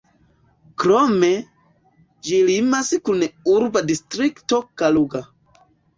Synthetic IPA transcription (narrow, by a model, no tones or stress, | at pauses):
kɾome | d͡ʒilimaskunuɾbadistɾiktokaluɡa